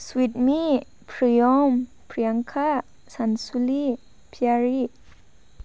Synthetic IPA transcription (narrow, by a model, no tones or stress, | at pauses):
swit̚mi | pʰɾijɔm | pɾijaŋkʰa | sansuli | pʰjaɾi